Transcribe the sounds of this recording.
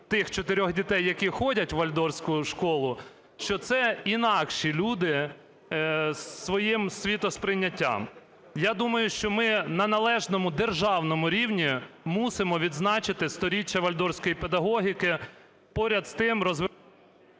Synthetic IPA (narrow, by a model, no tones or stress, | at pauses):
t̪ɪxt͡ʃɔt̪ɪɾʲɔɣdʲit̪ɛjːɐkʲixɔdʲɐtʲʋɐlʲd̪ɔrsʲkʊʃkɔlˠʊ | ʃt͡ʃɔt̪sɛinɑkʃilʲud̪ɪ | sːʋɔjimsʲʋʲit̪ɔspɾɪnʲːɐtʲːa̰m | jad̪umɐjʊʃt͡ʃɔmɪnɐnɐlˠɛʒnɔmʊd̪erʒɑwnɔmʊɾʲiwnʲimusɪmɔʋʲid̪znɑt͡ʃɪt̪ɪst̪ɔɾʲit͡ʃːɐʋɐlʲd̪ɔɾsʲkɔjiped̪ɐɦɔɦʲikɪ | pɔɾʲɐd̪st̪ɪmɾɔzʋɪ